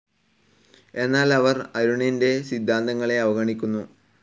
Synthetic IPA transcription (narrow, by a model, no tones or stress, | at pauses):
e̞nːaːlɐʋɐrɐɾuɳinde̞sid̪ʱːaːnd̪ɐŋːɐɭe̞ɐʋɐɣɐɳikʲːunːu